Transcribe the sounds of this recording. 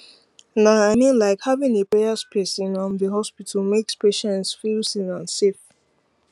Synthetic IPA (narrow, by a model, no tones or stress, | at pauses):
naaɪnĩnlaɪkhavĩŋepɹeaspʰɛsĩnɔ̃nðəɦɔspitʰəmekspeʃɛ̃ntsfilsĩnãnsef